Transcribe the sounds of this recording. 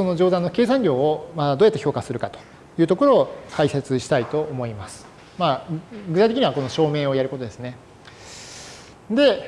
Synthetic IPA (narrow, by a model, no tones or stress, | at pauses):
so̞no̞ʑo̞ːd̪ãnːokʲe̞ːs̬ãŋɡʲo̞ːomad̪ad̪o̞ːjat̪ːeço̞ːkasɨɾɯ̟kat̪o̥ | jɯ̟ːt̪o̞ko̞ɾo̞ːkʰaise̞t͡sɨɕi̥t̪ait̪o̞ʔːmo̞imasɨ̥ | maːɡɯ̟t̪ait̪ekiɲiβako̞no̞ɕo̞ːme̞ːo̞jaɾɯ̟kot̪o̞d̪e̞sɨne̞ | d̪e̞